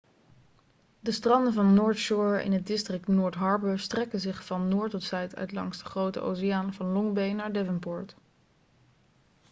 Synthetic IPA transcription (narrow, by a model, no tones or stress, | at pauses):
dəstrɑndəvɑnːʊːɹtʃʊɹɪ̰nɦət̚dɪstrɪk̚tnʊːɹtɦɑɹbəstrɛkəzɪχfɑnːʊːɹtɔtsɛjtʰœ̰ɥtlɑ̰ŋsdəχrowtə̰ʔo̰wsijaːnvɑnlɔŋbejnaːɹdɛvənpʊɹt